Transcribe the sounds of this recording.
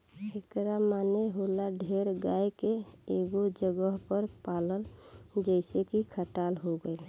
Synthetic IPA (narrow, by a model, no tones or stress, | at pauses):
ekɾamaneɦolaɖʱeɾɡajkeeɡod͡ʒəɡəɦpəɾpaləld͡ʒəɪsekikʰəʈalɦoɡəɪl